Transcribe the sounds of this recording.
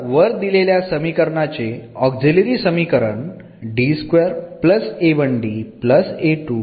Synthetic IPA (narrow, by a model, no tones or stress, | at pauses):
ʋəɾd̪ileljasəmikəɾɳat͡seɔkd͡ziliɾisəmikəɾə̰ɳ | ɖiskʋeəɾpləseʋəɳɖipləseʈu